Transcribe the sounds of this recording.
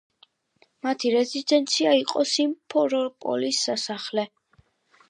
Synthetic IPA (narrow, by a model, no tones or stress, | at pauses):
mat̪ʰiɾɛzid̪ɛnt̪sʰiaiqʼɔsimpʰɔɾɔpʼɔ̰lisːasaχlɛ